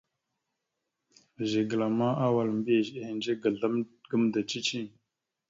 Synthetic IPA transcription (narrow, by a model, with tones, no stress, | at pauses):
ʒe˨ɡə˨la˨ma˦ʔa˦wa˨lmbi˦e˨ze˦hi˨nd͡ʒe˦ɡə˨ɮa˦mɡə˦mda˨t͡ʃi˦t͡ʃi˦ŋ